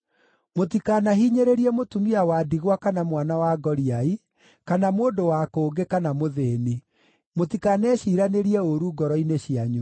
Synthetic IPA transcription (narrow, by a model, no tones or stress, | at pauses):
motikanaɦiːɲeɾeɾiɛmotumiawaːdiɣwakanamwanawaɡɔɾiai | kanamoːndowakoːɡekanamoðeni | motikanɛːɕiːɾaneɾiɛoɾuɡɔɾɔineɕiaɲu